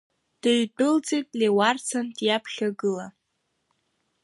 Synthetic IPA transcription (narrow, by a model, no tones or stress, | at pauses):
d̥eɥdʼɨlt͡sʼijtʼlewart͡sʰandjapʰχʲaɡɨla